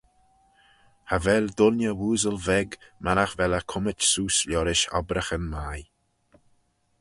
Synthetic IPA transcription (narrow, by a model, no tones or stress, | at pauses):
havɛld̪ʊlnʲəwuːzəlvɛɡmaɾaxvɛləkʰʊmət͡ʃsuːslʲjɔɾɪʃɔ̰bɾəxənmaj